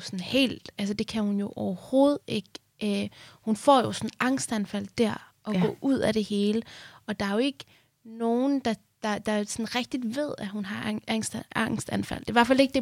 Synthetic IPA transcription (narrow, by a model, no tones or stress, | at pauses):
sɔnhe̝̰ːld̥æls̬əd̥e̝kʰæhunjo̝ʔɒʊɐho̝ːð̞̩ˠe̝ɡ̥ | øhunfɒ̰ːjo̝sɒ̽nɑ̈ŋ̰sd̥ænfæl̰d̥æɐ̰ | ʔɒ̽ɡ̥ɔ̰̽ʔuð̰ˠæɾ̥e̝he̝ːləɒ̽d̥ɑ̈æɐjo̝e̝ɡ̥ə | no̝ːn̩d̥ɑ̈ | d̥ɑ̈d̥ɑ̈sɒnʁɛɡ̥̚d̥id̥ʋe̝ð̞̰ˠæhunɦɑ̈æŋ̰sd̥ɑ̈ŋ̰sd̥ænfæ̰l̰d̥e̝ʋæɐfæle̝ɡ̥̚d̥e̝